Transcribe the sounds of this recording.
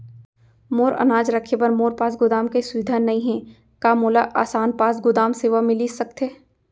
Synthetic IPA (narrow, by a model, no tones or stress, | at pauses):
moːɾɐ̰naːd͡ʒɾəkʰepɐɾmoːɾpaːsɡʊd̪aːmkesʊʋɪd̪ʱaːnɐɦĩɦɛ̃ | kaːmoːlaʔaːsaːnpaːs̬ɡʊd̪aːmseːʋamɪlisɐk̚t̪eː